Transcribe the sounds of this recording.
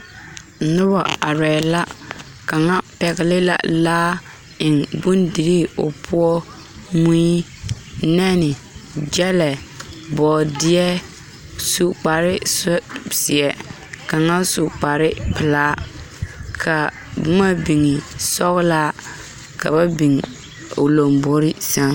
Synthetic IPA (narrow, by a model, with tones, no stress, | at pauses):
nʊ˦ba˨a˨ɾɛ˨la˦ | ka˨ŋa˦pɛ˨ɣɪ˦lɪ˦la̰˨laː˦ | ɪ˨ŋbʊ˦ndi˨ɾi˦o̰˨pʰu˦ɔ˦ | mu˦i˦ | nɛ˦nɪ˨ | d͡ʒɛ˦lɛ˨bɔː˨dɪ˦ɛ˦ | su˦k͡pa˨ɾɪ˦ssi˨ɛ˨ | ka˨ŋa˦su˨k͡pa˨ɾɪ˦pɪ˨laː˦ | kʰa˨ | bʊ˦ma˦bi˨ŋɪ˨sɔ˦ɣʊ˦la˦ | ka̰˨ba˦bi˨ŋ | o˨lo˨mbo˦ɾɪ˦sa˦